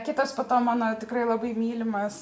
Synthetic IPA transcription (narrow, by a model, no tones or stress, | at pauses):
kʲɪt̪ɐspɐt̪oːmoːnɐt̪ʲɪkrɐɪlˠɐbɐɪmʲiːlʲɪmɐs